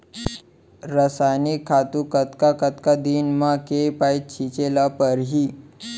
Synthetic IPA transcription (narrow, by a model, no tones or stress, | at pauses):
ɾəsanikʰːat̪ukət̪kakət̪kad̪iːnmakepait̪̚t͡ɕʰit͡ɕelapəɾɦiː